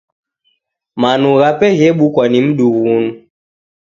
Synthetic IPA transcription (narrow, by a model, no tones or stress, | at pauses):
manuɣapɛɣɛɓukwanim̩ɗuɣunu